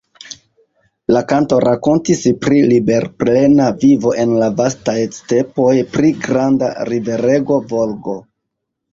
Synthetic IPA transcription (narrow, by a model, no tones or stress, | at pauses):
lakanto̞ɾakontispɾilibe̞ɾple̞navivo̞ʔe̞nlavastajste̞po̞jpɾiɡɾanda̰ɾive̞ɾe̞ɡo̞volɡo̞